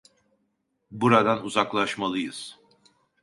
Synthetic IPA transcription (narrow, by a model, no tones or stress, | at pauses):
buɾad̪anuzaklˠaʃmalˠɯjɯ̰z̥